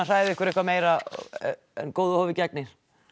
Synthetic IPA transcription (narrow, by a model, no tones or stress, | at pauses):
asaːjɪðɪɛhkvɛɾehkvameːjɾa | ɛ̰nkoːwðʏhoːwvɪcɛk̚nɪɾ̥